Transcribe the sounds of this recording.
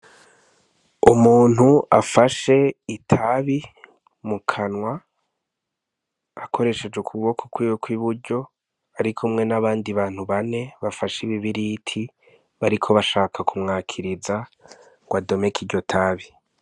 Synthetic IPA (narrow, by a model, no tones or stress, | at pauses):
umuːn̥huafaʃe̞itʰaβi | mukʰanŋwa | kʰo̞ɾe̞ʃe̞d͡ʒekʰuβo̞kʰokwiwokʰwiβuɾɟo̞ | aɾikʰumŋe̞naβaːndiβaːn̥huβane̞βafaʃiβiβiɾitʰi | βaɾikʰo̞βaʃaːkʰakʰumŋaːkʰiɾiza | ɡwado̞me̞kʰiɟo̞tʰaβi